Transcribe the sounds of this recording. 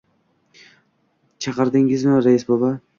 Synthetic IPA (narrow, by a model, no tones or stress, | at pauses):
t͡ʃʰɑqɨɾd̪ɪŋɪzmɪɾajɪsbolˠa